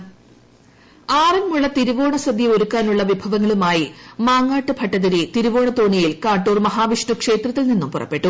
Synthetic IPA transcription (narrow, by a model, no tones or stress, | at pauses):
aːrɐnmuɭːɐt̪iɾuʋo̞ːɳɐsɐd̪ʱjio̞ɾukːaːnuɭːɐʋibʱɐʋɐŋːɐɭumaːjimaːŋːaːʈːɨbʱɐʈːɐðɐɾit̪iɾuʋo̞ːɳɐt̪oːɳijilkaːʈːuːrmɐɦaːʋiʂʈukʂe̞ːt̪rɐt̪ːilninːumpurɐ̰pːe̞ʈːu